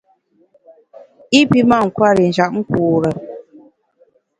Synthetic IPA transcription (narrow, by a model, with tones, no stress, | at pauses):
i˦pi˦ma˦˨ŋ̩˨kwa˦ɾi˨n̩˨d͡ʒa˨ʔ̚ŋ̩˦kuː˨ɾə˨